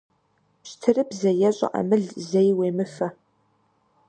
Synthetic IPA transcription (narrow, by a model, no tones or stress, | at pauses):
ɕtʰɨrɨbzɐjɛɕʷʼɐ̰ʔɐ̰mɨɮzejweːmɨfɐ